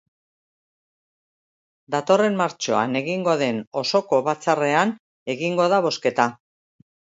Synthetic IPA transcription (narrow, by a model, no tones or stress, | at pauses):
d̪at̪o̞re̞mmaɾt͡ʃo̞a̰ne̞ɣiŋɡo̞ðe̞no̞so̞ko̞βat͡sare̞an | e̞ɣiŋɡo̞ð̞aβ̞o̞ske̞t̪a